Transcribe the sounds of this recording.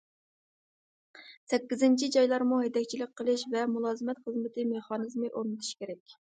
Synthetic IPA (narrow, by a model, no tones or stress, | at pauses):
sɛkʲːizɪnt͡ʃʰid͡ʒɑjlˠɑɾmuɦed̪ɛkʲt͡ʃʰilɪk̚ʲqʰəlˠɨʃvɛmulˠɑːzɨmɛt̪χəzmɪt̪ʰɪmeχɑːnɨzmɨʔoɾnɨt̪ʰu̥ʃkʲʰeɾɛkʲ